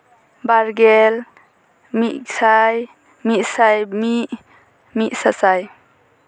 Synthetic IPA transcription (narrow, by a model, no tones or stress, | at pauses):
baɾɡel | miʔsaj | mit̚sajmiʔ | miʔsasaj